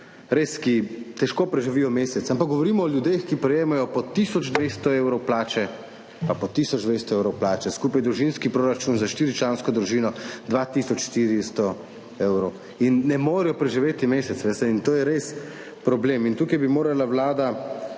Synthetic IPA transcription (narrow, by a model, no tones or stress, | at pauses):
ɾeskit̪ɛʃkoːpɾɛʒiʋiːjɔmeːsɛt̪sampakɡɔʋɔɾiːmɔːljud̪exkipɾɛjeːmajɔpɔt̪isɔd͡ʒd̪ʋeːst̪ɔeːwɾɔwplaːt͡ʃɛ | papɔt̪isɔd͡ʒd̪ʋest̪ɔewɾɔwplaːt͡ʃɛskupajd̪ɾuʒinskipɾoːɾat͡ʃunzaʃt̪iːɾit͡ʃlanskɔd̪ɾuʒiːnɔd̪ʋat̪isɔt͡ʃʃt̪iɾist̪ɔ | eːwɾɔw | inːɛmoːɾɛjɔpɾɛʒiʋeːt̪imeːsɛt̪sʋest̪ɛint̪oːjɛɾes | pɾɔbleːmint̪uːkajbimoːɾalawlaːd̪a